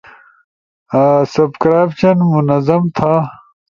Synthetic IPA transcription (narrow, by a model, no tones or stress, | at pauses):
sɐbkɾaːjpt͡ɕɐnmunɐzɐmt̪ʰaː